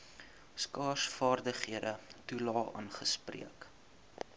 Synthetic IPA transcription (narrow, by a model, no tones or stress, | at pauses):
skɑːsfɑːrdəχhiədətulɑːʔə̰nχəsprḭək